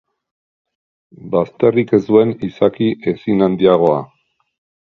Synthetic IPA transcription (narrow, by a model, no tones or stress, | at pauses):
bast̪e̞rike̞zd̪ue̞nisakiʔe̞sinand̪iaɣ̞o̞a̰